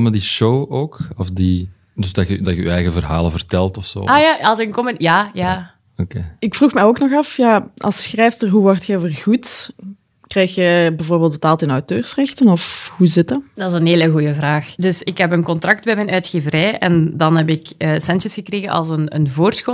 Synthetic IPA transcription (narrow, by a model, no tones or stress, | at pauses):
mədiʃowoːkɔfdi | dɵzdɑxədɑxəy̰ɛjɣəvərɦa̰ːlənvərtɛlˠtɔfso̰ːaːjaːɑlˠsənkɔmənjaːjaː | okeːɪkfruxmɛjoːknɔxɑfjaʔɑ̰lˠsxrɛjftərɦuʋɔrtxɛvərɣut | krɛjxjəbɛvoːrbeːlˠt̚bətaːlˠtɪnɔwtøːrsrɛxtənɔfhuzɪtədɑɪzənɦeːləɣujəvraːxdɵsɪkɦɛp̬ənkɔntrɑk̚tbɛmɛnœːtxeːvərɛjʔɛ̰ndɑnɦɛp̬ɪkəːsɛnt͡ʃəsxəkreːɣəʔɑ̰lˠsənə̰nvoːrsxo